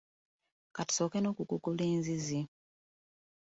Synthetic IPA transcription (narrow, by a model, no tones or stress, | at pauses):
kati̥soːkenoːkukukuleːnzizi